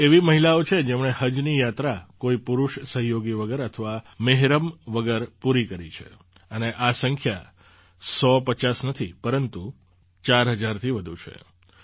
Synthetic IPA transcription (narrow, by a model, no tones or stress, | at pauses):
eʋiməɦilaot͡ʃʰed͡ʒemɳehəd͡ʒnijat̪ɾakoipuɾuʃsəɦjoɡiʋəɡəɾət̪ʰəʋameɦɾəmʋəɡəɾpuɾikəɾit͡ʃʰḛ | əneʔasəŋkʰja | sɔpət͡ʃasnət̪ʰipəɾənt̪u | t͡ʃaɾɦəd͡ʒaɾt̪ʰiʋəd̪ʱut͡ʃʰḛ